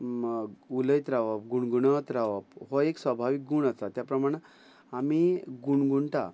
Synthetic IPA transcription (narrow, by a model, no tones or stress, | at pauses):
uləjt̪ɾaʋap̚ɡuɳɡuɳət̪ɾaʋapɦɔeksʋəbʱaʋik̚ɡuɳəsat̪japɾəmaɽ̃ã | amiɡuɳɡuɳʈa̰